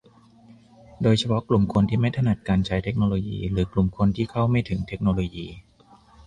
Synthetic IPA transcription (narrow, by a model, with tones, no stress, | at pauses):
doː˧jt͡ɕʰa˧pʰɔ˦˥ʔklu˨˩mkʰo˧nt̪ʰiː˥˩ma˥˩jt̪ʰa˧na˨˩t̪̚kaː˧nt͡ɕʰa˦˥jt̪ʰe˦˥k̚noː˧loː˧jḭː˧ɾɯː˩˦klu˨˩mkʰo˧nt̪ʰiː˥˩kʰa˥˩wma˥˩jt̪ʰɯ˩˦ŋt̪ʰe˦˥k̚noː˧loː˧jiː˧